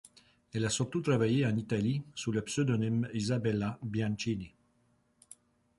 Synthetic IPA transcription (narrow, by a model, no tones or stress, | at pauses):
elasuɾt̪ut̪ɾavajeanit̪alisulapsød̪onɛmizabɛlabjãnt͡ʃini